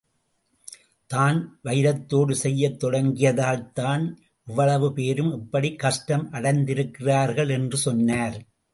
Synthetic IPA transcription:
t̪aːnʋɐɪɪɾɐt̪ːoːɽɯsɛjːɐt̪ːɔɽɐŋɡɪjɐðaːlt̪aːn | ʔɪʋːɐɭɐʋɯpeːɾɯmɪpːɐɽikːɐʂʈɐmʔɐɽɐɪnd̪ɪɾɯkːɪraːɾɣɐɭɛndrɯsɔnːaːɾ

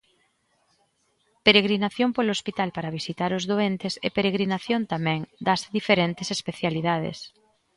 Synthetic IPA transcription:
peɾeɣ̞ɾinaθjompolospit̪alpaɾaβ̞isit̪aɾozðoent̪esepeɾeɣ̞ɾinaθjõnt̪amɛ̃ŋd̪azðifeɾent̪esespeθjaliðað̞ḛs

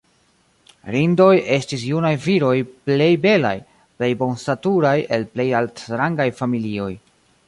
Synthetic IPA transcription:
ɾindo̞je̞stis̬junajviɾo̞jple̞jbe̞la̰j | ple̞jbo̞nstatuɾaje̞lple̞jaltɾaŋɡajfamilio̞j

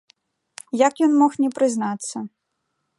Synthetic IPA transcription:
jakjɔnmɔxnʲɛpɾɨznat̪sːɐ

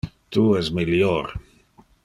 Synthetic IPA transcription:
t̪uɛsmiljoɾ

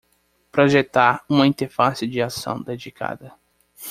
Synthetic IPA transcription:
pɾoʒet̪aɾũmɐĩnt̪eɾfasɪd͡ʒɪasɐ̰̃w̃d̪ed͡ʒika̰d̪ɐ

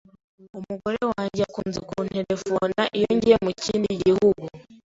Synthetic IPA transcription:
umuɡo̞ɾe̞waːɲɟiakuːnzekunte̞ɾe̞fonaʔijoɲɟijemuciːndiɟihuɡu

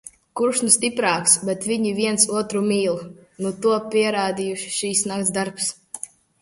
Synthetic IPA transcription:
kuɾʃnust̪ipɾaːksbɛt̪viɲiviɛnsuɔt̪ɾumiːlˠnut̪uɔpʲiɛɾaːd̪ijuʃi̥ʃiːsnakt̪zd̪aɾps

